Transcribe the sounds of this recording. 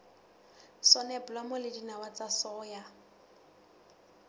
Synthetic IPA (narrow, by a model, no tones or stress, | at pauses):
sɔnɛpʊlamɔlɪdinawat͡sasɔːja